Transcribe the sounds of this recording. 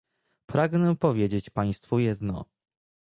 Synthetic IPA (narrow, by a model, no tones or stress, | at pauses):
pɾaɡnɛpɔvʲjed͡ʑet͡ɕpaj̃st̪fujɛd̪nɔ̰